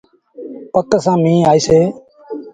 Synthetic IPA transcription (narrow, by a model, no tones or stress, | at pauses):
pəkəsãːmĩːaːiːseː